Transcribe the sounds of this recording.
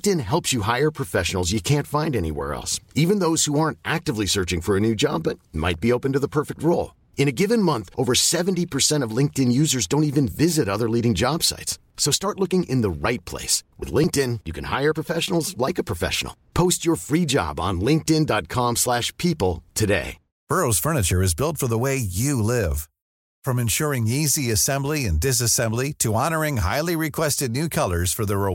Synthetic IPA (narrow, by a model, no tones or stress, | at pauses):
ŋk̚tɨ̃nɦɛlˠpsjɨɦaɪə˞pʰɹ̥ɨfɛʃn̩l̩ˠzjɨkʰæ̃ntfãɪ̃ndɛnḭwɛ̰ɹɛ̰lˠsivɨ̃nðoʊz̥huɑɹ̃ntʔæk̚tɨvlisɜ˞t͡ʃɪ̃ŋfə˞ɨnʉd͡ʒɑ̰bːʌt̚ma̰ɪt̚b̥ioʊpɨ̃n̩tɨðəpʰɜ˞fɨk̚t̚ɹoʊlˠ | ɨ̃ɾ̃ɨɡɪvɨ̃nmʌ̃nθʔoʊvə˞sɛṽn̩tipʰə˞sɛ̃ɾ̃ʌvlɪ̃ŋk̚tɨ̃njʉzə˞zdõʊ̃ntivɨ̃nvɪzɨɾʌðə˞liɾɪ̃ŋd͡ʒɑb̥sa̰ɪtsː | oʊstɑɹʔˡlʊkɪ̃ŋʔɪ̰̃nðəɹaɪt̚pʰl̥ḛɪswɨ̰ðlɪ̃ŋk̚tɪ̃njɨkʰɨ̃nha̰ɪə˞pʰɹ̥əfɛʃənl̩ˠzlaɪkəpʰɹ̥əfɛ̰ʃn̩l̩ˠpʰoʊst͡ʃə˞fɹid͡ʒɑ̰b̃n̩lɪ̃ŋk̚tɪ̃ndɑt̚kʰɑ̃mslæʃpʰipl̩ˠtʰɨdḛɪ | b̥ɜ˞oʊz̥fɜ˞nɨt͡ʃə˞ɨzbɪlˠtfə˞ðəweɪjɨlɪv̥ | fɹʌ̃mɨ̃nʃʊɹɪ̃ŋiziɨsɛ̃mbliɨ̃ndɨs̬ɨsɛ̃mbliɾɨɑñə˞ɪ̃ŋɦaɪlˠiɹɨkʰw̥ɛstɨdⁿnʉkʰʌlˠə˞z̥fə˞ðəɹɪ